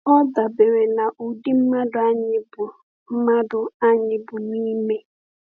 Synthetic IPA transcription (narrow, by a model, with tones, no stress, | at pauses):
ɔ˦da˨be˨ɾe˨na˨ʔu˨di˦m̩˦ma˦dʊ˨a˦ɲɪ˦bʊ˨ | m̩˦ma˦dʊ˨a˦ɲɪ˦bʊ˨niː˦me˦